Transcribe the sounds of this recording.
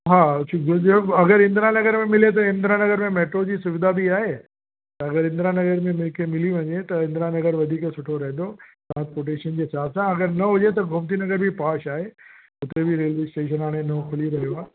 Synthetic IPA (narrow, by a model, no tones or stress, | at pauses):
ɦaːt͡ɕʰiɐɡəɾɪ̃nd̪ɾanɐɡəɾmẽmɪlet̪̬ɐɪ̃nd̪ɾanɐɡəɾmẽmeːʈɾod͡ʑiːsʊʋɪd̪abʱiaːɦe | t̪ɐɐɡəɾɪ̃nd̪ɾanɐɡəɾmẽmɪlkʰemɪliʋɐ̃ɲet̪ɐɪ̃nd̪ɾanɐɡəɾʋɐd̪ʱiːkesʊʈʰoɾɐɦɪ̃n̆d̪oʈɾãːnspoːɾʈeːʃənd͡ʑesaːsãɐɡəɾnɐɦʊd͡ʑet̪̬ɐɡʱʊmt̪inɐɡəɾbʱipaːʃaːɦe | ʊt̪ebʱiɾelesʈeːʃ̬ənaːɽ̃enɐkʰʊliɾɐɦijoaː